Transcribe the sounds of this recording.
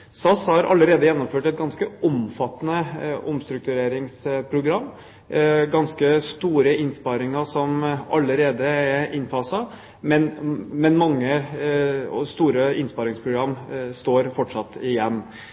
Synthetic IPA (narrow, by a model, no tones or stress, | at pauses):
sɑshɑɾʔɑ̰ləɾeːd̪əjɛnːʊmføːʈɛt̪̚ɡɑnskəʔɔmfɑt̪ːnəʊmst̪ɾʉk̚t̪ʉɾeːɾɪŋspʰɾʊɡɾɑmː | ɡɑnskəst̪uːɾəɪnspɑɾɪŋəʂɔmɑlːəɾeːd̪əɛɪnfɑsɑ | mɛnmɛnmɑŋːə | st̪uːɾəɪnspɑɾɪŋspʰɾʊɡɾɑmːst̪oːɾfɔʈʂɑt̪ːɪjɛmː